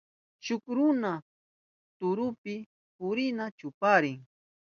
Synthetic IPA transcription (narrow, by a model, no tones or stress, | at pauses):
t͡ʃʊkɾʊna | t̪ʊɾʊpɪ | pʊɾɪnat͡ʃʊpaɾɪŋ